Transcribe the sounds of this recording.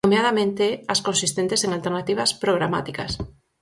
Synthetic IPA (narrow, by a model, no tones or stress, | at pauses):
omeað̞amẽnt̪easkonsist̪ent̪eseŋalt̪eɾnat̪iβɐspɾoɣ̞ɾama̰t̪ika̰s